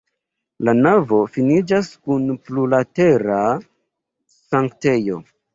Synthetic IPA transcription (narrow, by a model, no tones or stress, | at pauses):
lanavo̞finid͡ʒaskunplulate̞ɾa | saŋkte̞jo̞̰